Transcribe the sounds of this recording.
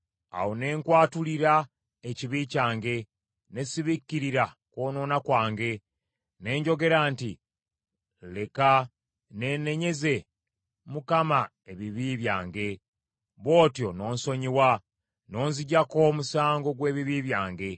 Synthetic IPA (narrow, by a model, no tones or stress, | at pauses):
a̰wone̞ːŋkwaːtuliɾa | eciβicaːŋɡe̞ | ne̞siβikːiɾiɾa | kwo̞ːno̞ːnakwaːŋɡe̞ | ne̞ːɲɟo̞ɡe̞ɾaːnti | le̞ka | ne̞ːne̞ɲe̞ze̞ | mukama | e̞βiβiβjaːŋɡe̞ | βo̞ːtjo̞no̞ːnso̞ɲiwa | no̞ːnziɟako̞musaːŋɡo̞ɡwe̞ːβiβiːβjaːŋɡe̞